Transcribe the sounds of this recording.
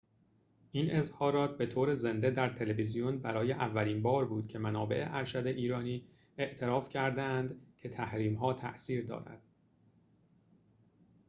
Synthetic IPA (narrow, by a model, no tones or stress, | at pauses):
ʔiːne̞zhɒːɾɒːt̪̚be̞t̪ʰoːɾe̞ze̞nd̪e̞d̪æɾt̪ʰe̞levizijonbæɾɒːje̞ʔævːæliːnbɒːɾbuːd̪̥cʰe̞mænɒːbe̞̰ʔeʔæɾʃæd̪e̞ʔiːɾɒːniː | e̞ʔt̪ʰe̞ɾɒːfcʰæɾd̪æænd̪cʰe̞t̪ʰæhɾiːmɦɒːt̪ʰæ̰ʔsiːɾd̪ɒ̰ːɾæ̰d̪̥